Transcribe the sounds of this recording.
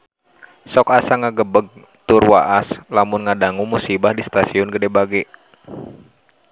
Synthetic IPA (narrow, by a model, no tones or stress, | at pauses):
sɔkasaŋaɡəbəɡ̚ | t̪ʊrwa̰ʔaslamʊnŋadaŋumusibahdist̪asiɔnɡədɛbaɡɛ